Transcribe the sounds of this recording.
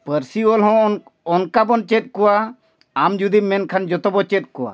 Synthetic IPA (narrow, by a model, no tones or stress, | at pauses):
pəɾsiɔlɦɔ̃ɔnkabɔnt͡ʃɛt̪̚kɔwaː | md͡ʒud̪imɛnkʰand͡ʒɔt̪ɔbɔt͡ʃɛt̪̚kɔwa̰